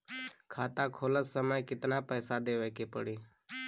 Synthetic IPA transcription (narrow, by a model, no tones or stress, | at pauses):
kʰaːt̪ãkʰoːləsːəməjkɪt̪napəːsad̪eːʋeːkepə̰ɽiː